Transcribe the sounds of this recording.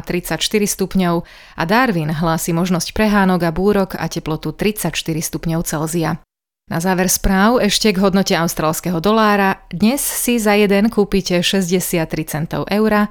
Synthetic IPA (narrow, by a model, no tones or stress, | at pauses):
t̪ɾit͡sacʃt̪iɾist̪upɲɔʊ | ʔa̰d̪aɾʋinɦlaːsimɔʒnɔscpɾɛɦaːnɔɡabuːɾɔka̰cɛplɔt̪ut̪ɾit͡sacʃt̪iɾist̪upɲɔʊt͡sɛlzia | na̰zaːʋɛɾspɾaːʊɛʃcɛɡɦɔd̪nɔcɛaʊst̪ɾaːlskɛɦɔd̪ɔlaːɾad̪ɲɛsːizajɛd̪ɛnkuːpicɛʃɛzɟɛsɪat̪ːɾit͡sɛnt̪ɔ̰ʊʔɛʊɾa